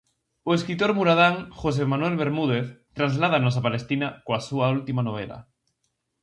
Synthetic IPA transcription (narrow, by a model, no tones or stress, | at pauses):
oeskɾit̪oɾmuɾaðaŋxos̬emanwelβeɾmuð̞eθt̪ɾazlað̞anos̬apalest̪inakoasuault̪imanoβ̞ela̰